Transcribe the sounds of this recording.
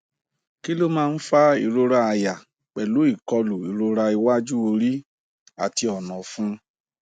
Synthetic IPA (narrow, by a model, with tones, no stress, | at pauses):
ki˦lo˦mãː˦˧n̩˦fa˦i˨ɾo˧ɾa˧a˧ja˨ | k͡pɛ˨lo˨˦i˦˨kɔ˧lu˨i˨ɾo˧ɾa˧i˧wa˦d͡ʒu˦o˧ɾi˦ | a̰˦˨ti˧ɔ˨nɔ̃˨fũ˦